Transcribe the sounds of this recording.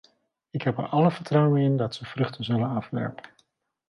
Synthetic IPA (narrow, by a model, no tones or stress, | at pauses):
ɪkɦɛpəɹʔɑləvəɹtrʌwənɪndɑtsəv̥rɵχtənzɵlənɑfʋɛ̰ɹpən